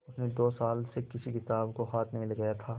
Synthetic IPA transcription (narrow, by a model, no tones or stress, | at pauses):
ʊsned̪oːsaːlsekɪsikɪt̪aːbkoɦaːt̪ʰnɐɦĩlɐɡɐjat̪ʰaː